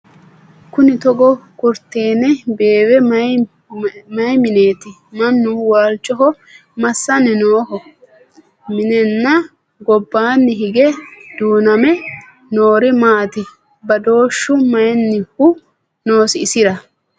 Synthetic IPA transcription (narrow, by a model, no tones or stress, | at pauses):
kʊnɪt̪ɔɡɔkʊɾt̪ːe̞ːnɛbe̞ːwɛmɐ | mɐjmɪneːt̪ɪ | mɐnːʊwaːlt͡ʃːɔɦɔ | mɐsːɐnɛnoːhɔ | mɪnɛnːɐ | ɡɔbːaːnːɪɦɪɡɛd̪̥uːnɐmɛ | noːɾɪmaːt̪ɪ | bɐd̪o̞ːʃːʊmɐjɛnːɪhʊ | no̞ːsɪɪsɪɾɐ